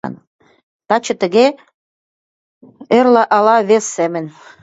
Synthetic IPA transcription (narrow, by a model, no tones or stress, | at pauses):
n | t̪ɑt͡ɕə̆t̪ə̆ɣe | erləʔɑlɑβesːemə̆n